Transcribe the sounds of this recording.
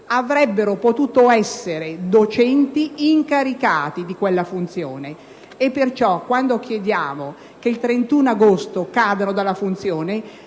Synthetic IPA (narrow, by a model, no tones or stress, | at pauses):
avɾɛbːeɾopot̪uːt̪oɛsːeɾed̪ot͡ʃɛnt̪iːŋkaɾikaːt̪id̪ikwelːafunt̪sjoːneː | pːert͡ʃɔkːwand̪ok̟jed̪jaːmo | keilt̪ɾent̪uːnaɡost̪okaːd̪anod̪alːafunt̪sjoːne